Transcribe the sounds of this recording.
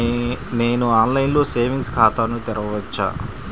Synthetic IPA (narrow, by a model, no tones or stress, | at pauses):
neːnuaːnlɐjinlo̞ːse̞ːʋiŋɡskʰaːt̪aːnut̪iɾɐʋɐʋɐt͡ʃːa̰ː